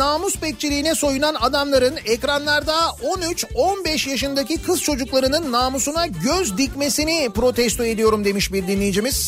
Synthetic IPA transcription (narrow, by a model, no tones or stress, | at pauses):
aːmuspɛc̚t͡ʃʰilʲijːnɛso̞junanad̪amlˠaɾɯnɛcɾanlˠaɾd̪ao̞nyt͡ʃonbɛʃjaʃ̬ɯnd̪acikʰɯz̥t͡ʃʰo̞d͡ʒuklˠaɾɯnɯnːaːmusunaɟøzd̪icme̞sinipɾo̞t̪ʰɛst̪oe̞d̪ijo̞ɾumd̪e̞miʃbiɾd̪inlːʲejid͡ʒimiz̥